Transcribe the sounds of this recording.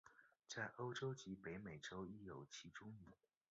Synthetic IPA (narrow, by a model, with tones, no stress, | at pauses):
t͡sa˥˩ɪʔo˥ʊʈ͡ʂo˥ʊt͡ɕi˧˥pe˧˥ɪme˨˩ɪʈ͡ʂo˥ʊi˥˩jo˨˩ʊt͡ɕʰi˧˥ʈ͡ʂʊ˥ŋmi˧˨˩